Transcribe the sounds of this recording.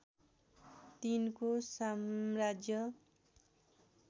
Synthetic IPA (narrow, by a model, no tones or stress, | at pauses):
t̪inkosamrad͡zjʌ